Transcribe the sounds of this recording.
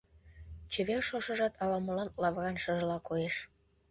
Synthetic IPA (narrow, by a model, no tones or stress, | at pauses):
t͡ɕeβerʃoʃɤ̆ʒɑt̪ʰɑlɑməlɑnlɑβrɑnʃɤʒəlɑkojeʃ